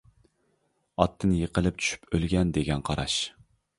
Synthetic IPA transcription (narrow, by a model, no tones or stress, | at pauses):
ɑt̪ʰːɨnjəqəlˠɪp̚t͡ʃʰy̥ʃy̥pʰølɡʲɛnd̪eɡʲɛnqʰɑɾɑ̰ʃ